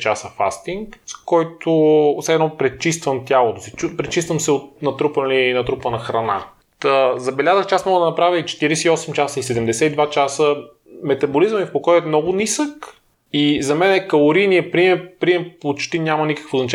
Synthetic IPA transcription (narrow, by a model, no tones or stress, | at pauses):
t͡ʃasəfa̰st̪iŋkskɔjt̪ʰosɛd̪nɔpɾɛt͡ʃist̪vəmt̪ʲalˠot̪osi̥t͡ʃupɾɛt͡ʃist̪vəmsɛot̪̚nɐt̪ɾupəlinɐt̪ɾupənɐxɾɐna̰ | t̪əzɐbɛlʲazəxt͡ʃɛasmɔɡəd̪ɐnɐpɾavʲəit͡ʃɛ̥t̪iɾisɛiɔsɛmt͡ʃasəisɛd̪ɛmd̪ɛsɛid̪vat͡ʃasə | mɛt̪ɐbolizəmifpokɔjɛt̪mnɔɡʊnisək | izɐmɛnɛkɐlˠoɾiniɛpɾiɛpɾiɛmpot͡ʃt̪inʲamɐnikə̥kvoznɐt͡ʃa